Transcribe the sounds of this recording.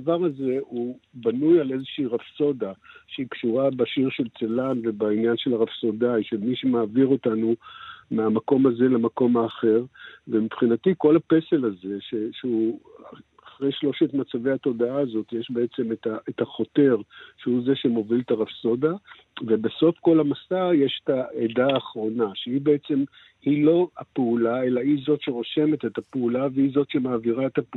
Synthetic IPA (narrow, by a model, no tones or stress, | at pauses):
vaʁaze̞ubanujale̞zeʃeiʁafso̞daʃeikʃuʁabaʃiʁʃe̞lt͡selanve̞bainjanʃe̞laʁafso̞dajʃemiʃemaːviʁo̞tanumeamako̞maze̞lemako̞maːχe̞ʁvemipχinatiko̞lape̞se̞laze̞ʃe̞ʃeuaaχʁe̞jʃlo̞ʃetmat͡savejat̪o̞d̪aaːzo̞tjeʃbe̞et͡se̞metaʔetaχo̞te̞ʁʃeuze̞ʃe̞mo̞viltaʁafso̞da | vebeso̞fko̞lamasaʁjeʃe̥taedaːχʁo̞naʃeibeet͡se̞m | hilo̞apeulae̞laizo̞t̪ʃe̞ʁo̞ʃe̞me̞t̪et̪apeulaveizo̞t̪ʃemaːviʁaet̪hap